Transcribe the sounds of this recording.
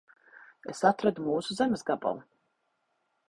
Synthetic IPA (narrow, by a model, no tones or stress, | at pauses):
esat̪ɾad̪umuːsuzɛmesɡaba̰lˠ